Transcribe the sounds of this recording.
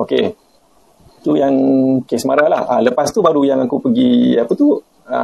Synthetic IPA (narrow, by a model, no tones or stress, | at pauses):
oke | it̪ujaŋkesmaɾalahaləpast̪ubaɾujaŋakupəɡiapət̪u | a̰